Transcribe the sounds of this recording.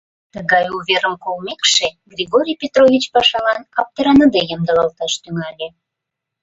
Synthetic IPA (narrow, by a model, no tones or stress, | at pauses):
t̪əɣɑjuβʲeɾəmkolmekʃeɡrʲiɣoɾʲijpʲet̪rovʲit͡ɕpɑʃɑlɑnɑp̚t̪əɾɑnəd̪ejəmd̪əlɑlt̪ɑʃt̪yŋɑlʲe